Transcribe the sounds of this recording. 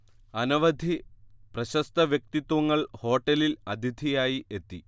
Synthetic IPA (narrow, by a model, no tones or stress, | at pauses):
ɐnɐʋɐd̪ʱiprɐɕɐst̪ɐʋjɐk̚t̪it̪ːwɐŋːɐɭho̞ːʈːɐlilɐd̪ʱid̪ʱijaːjiʔe̞t̪ːi